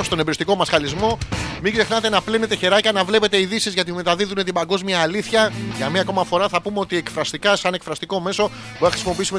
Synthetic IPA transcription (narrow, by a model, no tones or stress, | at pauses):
st̪o̞nebɾist̪iko̞mɐsxɐlizmo̞miɡze̞xnɐt̪e̞nɐpline̞t̪e̞çe̞ɾɐcɐnɐvle̞pe̞t̪eiðisizʝɐt̪ime̞t̪ɐðiðune̞t̪ibɐŋɡo̞zmiɐːliθçɐʝɐmɐko̞mɐfo̞ɾɐθɐpumeo̞t̪ie̞kfɾɐst̪ikɐsɐnekfɾɐst̪iko̞me̞so̞ | puθɐxɾisimo̞p̬iisume̞